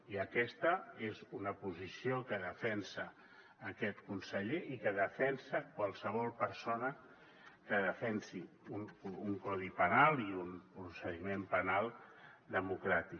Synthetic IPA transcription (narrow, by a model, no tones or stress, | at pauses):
iəkɛst̪əezunəpuzisiokəðəfɛnsəː | kɛt̪kunsəʎeʔikəðəfɛnsəkwalˠsəβ̞ɔlˠpəɾsonə | kəðəfɛnsi | unuŋkɔðipənalˠiunpɾusəðimempənalˠd̪əmukɾat̪i